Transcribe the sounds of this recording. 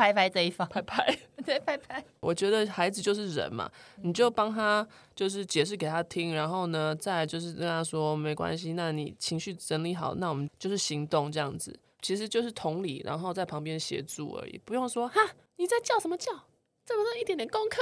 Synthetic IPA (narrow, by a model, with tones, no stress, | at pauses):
pʰa˥ɪpʰa˥ɪt͡sə˥˧i˥˩fpʰa˥ɪpʰa˧˦ɪt̪e˥˩ɪpʰa˥ɪpʰa˧˦ɪwɔ˨˩t͡ɕɥɛ˧˥d̪ə˧xa˧˥ɪd͡z̩˨t͡ɕjo˥˧ʊʂ̬ɻ̩˥˩ɻə̰˧˥nma̰˨ni˨˩t͡ɕjo˥˩ʊpɑ˥ŋt̪ʰa˦ | t͡ɕjo˥˧ʊʂ̬ɻ̩˥˩t͡ɕjɛ˨˩ʂ̬ɻ̩˥˩ke˨˩ɪt̪ʰa˦t̪ʰi˦˥ŋɻa˧˥nxo˥˩ʊnə˩t͡sa˥˧ɪt͡ɕjo˥˧ʊʂɻ̩˥˩kə˥˧nt̪ʰa˥swɔ˥˦me˧˥ɪkwa̰˦nɕi˦na˥˨˩nḭ˨˩t͡ɕʰi˧˥ŋɕy˥˩ʈ͡ʂə˧˦nli˧˥˩xɑ˨˩˦ʊna˥˩wɔ˨˩mə˦nt͡ɕjo˥˧ʊʂɻ̩˥˩ɕi˧˥ŋt̪ʊ˥˧ŋʈ͡ʂɤ˥˧jɑ̰˥˩ŋd͡zɹ̩˨˩ | t͡ɕʰi˧˥ʂɻ̩˧˥t͡ɕjo˥˧ʊʂ̬ɻ̩˥˩t̪ʰʊ˧˥ŋlḭ˨˩˦ɻa̰˧˥nxo˥˧ʊt͡sa˥˩ɪpʰɑ˧˥ŋpjɛ˥˦nɕjɛ̰˧˥t͡sṵ˥˩ə̰˧˥ḭ˨˩pu˧˥jo˥˩ŋʂwɔ˥ha˥˩ | ni˨˩t͡sa˥˧ɪt͡ɕjɑ˥˩ʊʂə˨˦mə˧t͡ɕjɑ˥˩ʊ | t͡sə˨˩mə˦ti˥˩t̪jnt̪jɛ˨˩nkʊ˥ŋkʰɤ˥˩